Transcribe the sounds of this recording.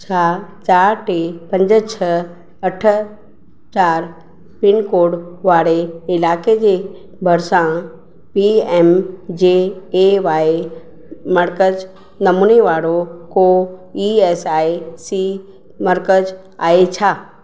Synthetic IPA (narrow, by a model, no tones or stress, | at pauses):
t͡ɕʰaːt͡ɕaːɾʈeːpɐ̃ɲd͡ʑət͡ɕʰɐ | ɐʈʰə | t͡ɕaːɾ | pɪnkoːɽʋaːɽeɪlaːked͡ʑeː | bʱɐɾsã | piɛːmd͡ʑeːeʋaːe | mɐɾkəd͡ʑ | nɐmuːneʋaːɾokoiɛːsaːesi | mɐɾkəd͡ʑ | aːet͡ɕʰaː